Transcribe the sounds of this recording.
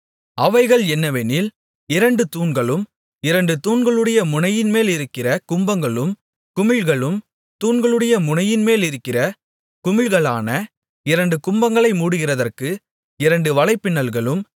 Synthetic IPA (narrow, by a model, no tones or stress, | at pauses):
ɐʋɐɪɣɐɭɛnːɐʋenɪl | ɪɾɐɳɖɯt̪uːnɡɐɭɯm | ɪɾɐɳɖɯt̪uːnɡɐɭɯɽɐjɐmʊnɐjɪnmeːlɪɾɯkːɪrɐkʊmbɐŋɡɐɭɯm | kʊmɪlɣɐɭɯm | t̪uːnɡɐɭɯɽɐjɐmʊnɐjɪnmeːlɪɾɯkːɪrɐ | kʊmɪlɣɐɭaːnɐ | ɪɾɐɳɖɯkʊmbɐŋɡɐɭɐɪmuːɽɯɣɪrɐðɐrkɯ | ɪɾɐɳɖɯʋɐlɐɪpːɪnːɐlɣɐɭɯm